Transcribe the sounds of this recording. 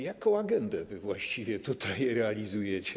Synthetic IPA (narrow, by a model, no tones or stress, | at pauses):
jakɔ̃w̃aɡɛnd̪ɛvɘvwaɕt͡ɕivʲjɛt̪ut̪ʰajɾɛalʲizujɛt͡ɕɛ